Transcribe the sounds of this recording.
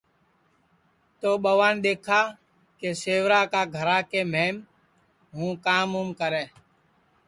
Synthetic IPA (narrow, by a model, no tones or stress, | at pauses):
t̪oːɓəʋaːnɗ̪eːkʰaː | keːseːʋɾaːkaːɡʱəɾaːkeːmeːm | ɦũːkaːmuːmkəɾeː